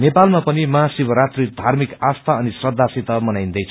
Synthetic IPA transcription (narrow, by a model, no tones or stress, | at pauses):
nepalmapʌnimaɦasibʌɾat̪rid̪ʱarmikast̪ʰaʌnisrʌd̪ʱasit̪ʌmʌnajnd̪ʌjt͡sʰ